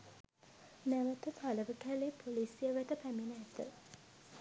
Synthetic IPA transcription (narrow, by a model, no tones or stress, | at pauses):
næʋət̪ət̪ʰaləʋəkæleːpʰolisijəʋæt̪əpæminəæt̪ə̰